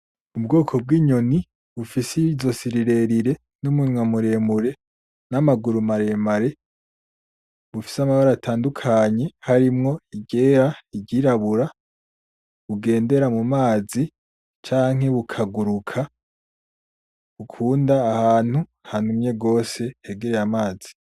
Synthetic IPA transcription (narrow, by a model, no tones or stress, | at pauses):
ub̚ɡo̞ːkʰo̞b̚ɡiːɲo̞ni | βufisizo̞siɾiɾe̞ɾiɾe̞ | numuɲwamuɾe̞ːmuɾe̞ | namaɡuɾumaɾe̞maɾe̞ | βufi̥samaβaɾaatʰaːndukʰaɲe̞haɾimŋo̞iɟe̞ɾaiɟiɾaβuɾa | βuɡe̞ːnde̞ɾamumaːzi | t͡ʃaːŋ̥ɦe̞βukʰaɡuɾukʰa | βukʰuːndaːhaːn̥huhan̥humɲe̞ɡo̞ːse̞heɡeɾejamaːz̥i